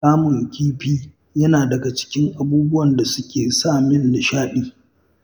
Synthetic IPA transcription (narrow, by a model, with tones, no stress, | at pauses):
aː˦mʊ˨ŋkʲiː˦ɸiː˦ | jɐ˦naː˨dɐ˨ɡa˨t͡ʃɪ̥˦kʲɪ˦ŋʔa˨buː˦bʊ˦wɐ˨nda˨sʊ˦kʲeː˨saː˦˨mɪ˦nːɪ˨ʃaː˦ɗiː˦